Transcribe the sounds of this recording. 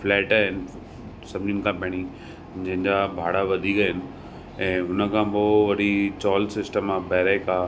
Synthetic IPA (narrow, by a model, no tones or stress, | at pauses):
flɛːʈaːɦɪnɪ̆ | sɐbʱɪnĩnɪ̆kʰãpɛɽ̃i | d͡ʑɐ̃ɦɪ̃ɲd͡ʑabʱaːɽaʋɐd̪ʱiɡɐɦɪnɪ̆ | ɛ̃ːɦʊnəkʰãpoʋɐɾit͡ɕɔːlsɪsʈəmabɛːɾekaː